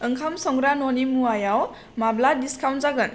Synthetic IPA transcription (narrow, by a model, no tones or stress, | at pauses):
ɯŋkʰamsɔŋɡɾanɔnimuajaw | mabladiskawntzaɡɯn